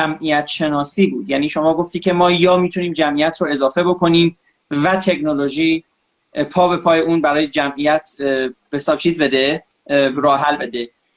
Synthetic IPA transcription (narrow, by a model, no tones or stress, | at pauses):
æmʔijæt̪ʰʃe̞nɒːsiːbuːd̪jæːniːʃo̞mɒːɡo̞ft̪iːcʰe̞mɒːjɒːmiːt̪ʰuniːmd͡ʒæmʔijæt̪ʰɾoe̞zɒːfe̞bo̞kʰo̞niːm | væt̪ʰe̞knoloʒiː | pʰɒːbe̞pʰɒːjeuːnbæɾɒːjed͡ʒæmʔijæt̪ʰb̥esɒːb̥̚t͡ʃʰiːzbe̞d̪e | ɾɒːɦælbe̞d̪e